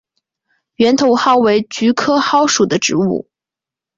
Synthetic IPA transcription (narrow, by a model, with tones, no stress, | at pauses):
ɥɛ˧˥nt̪ʰo˧˥ʊxɑ˥ʊwe˧˥ɪt͡ɕy˧˥kʰɤ˥xɑ˥ʊʂu˨˩d̪ə˦ʈ͡ʂɻ̩˧˥ṵ˥˩